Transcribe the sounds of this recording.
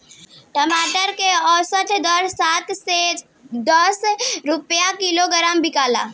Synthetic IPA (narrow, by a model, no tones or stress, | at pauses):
ʈəmaʈəɾkeɔsəʈʰd̪əɾsat̪se | d̪əsɾupjakiloɡəɾambikala̰